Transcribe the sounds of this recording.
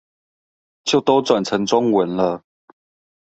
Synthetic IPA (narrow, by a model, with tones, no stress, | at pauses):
t͡ɕjo˥˨˩ʊt̪o˥˦ʊt͡swa˨˩nt͡sʰə˧˦ŋt͡sʊ˦ŋwə˨˦nlə˧